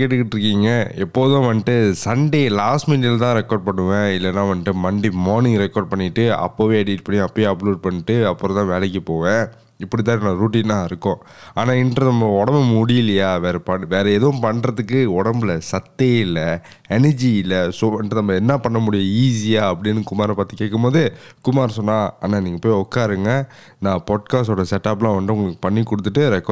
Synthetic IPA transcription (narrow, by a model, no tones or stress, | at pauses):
keʈːɯkːɪʈːɪɾɯkːiːŋɡɐɛpːoːðõːʋɐnːʈːɯsɐɳɖelaːsʈmiːʈɪlt̪ãːɾɛkːoːɾɖ̚pɐɳːɯʋẽːɪlːɛnːãːʋɐnɪʈːɯmɐɳɖimoːɾnɪ̃ŋɡɾɛkːoːɾɖ̚pɐɳːɪʈːɯɐ̰pːoʋeːɐɽiːʈːɯpɐɳj̃ɐpːojeɐpluːɖ̚pɐɳːɪʈːɯɐpːɯɾɔ̃t̪ãːʋeːlɛk̬ːipoːʋẽː | ɪpːɐɽɪt̪ːãːnːɐɾuːʈːiːnːãːɪɾɯkːʊ̃ | aːnãːɪndɾɐnɐmːɐɔɽɐmɐmʊɽɪjɪlɐjaːʋeːɾɛpɐʋeːɾɛɛðɐʋʊ̃mpɐɳɾɐðɯkːɯɔɽɐmbɪlɐsɐt̪ːeɪlɐ | ɛnɐɾd͡ʒiɪlɐsoɪndɐnɐmːɐɛnːapɐɳːɐmʊɽɪjɐ̃iːs̬ijaːɐpːɐɽɪnːɯkʊmaːɾɐ̃paːɾt̪ːɯkːeːkːɯmpoːðɯkʊmaːɾsɔnːãːa̰ːnaːniːŋɡɐpoːjɔkːaːɾɯŋɡɐ | nãːpaːʈ̚kaːsʈoːɽɐsɛʈːaːp̬lãːʋɐnd̪ɯʊŋɡɐɭɯkːɯ̥pɐɳːikːɔɽɯt̪ːɯʈːɯɾɛkː